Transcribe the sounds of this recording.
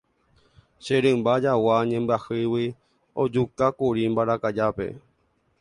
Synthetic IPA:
ʃeɾɨ̃mbad͡ʒawaɲẽmbɨahɨwi | od͡ʒukakuɾimbaɾakad͡ʒape̞̰

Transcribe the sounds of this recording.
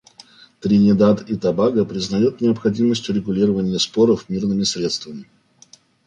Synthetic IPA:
t̪ɾʲɪnʲɪd̪at̪it̪ɐbaɡəpɾʲɪznɐjut̪nʲɪəpxɐdʲiməsʲtʲʊɾʲɪɡʊlʲiɾəvənʲɪjəspo̞ɾəfmʲirnɨmʲɪsɾʲe̞t̪st̪vəmʲɪ

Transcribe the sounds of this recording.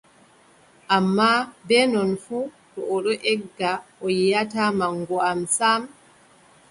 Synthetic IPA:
ʔamːabɛːnɔnfuːtɔɔɗɔʔɛɡːaɔjjatamaŋɡɔamsam

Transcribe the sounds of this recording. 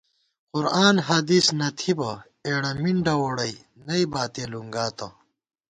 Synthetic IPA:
qʊɾaːnɦɐd̪iːsnɐt̪ʰibɐ | eːɽɐmiɳɖɐwoːɽɐi | nɐibaːt̪eːluŋɡaːt̪ɐ

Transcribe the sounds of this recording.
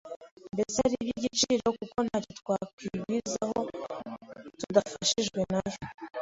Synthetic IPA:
ndesaɾibiɟit͡ʃiɾokukonacitkwakwiɡizaho̞ | tudafaʃiʒɡwe̞najo

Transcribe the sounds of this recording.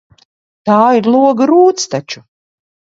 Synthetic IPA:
t̪aːiɾlˠuɔɡɾuːt̪st̪at͡ʃu̥

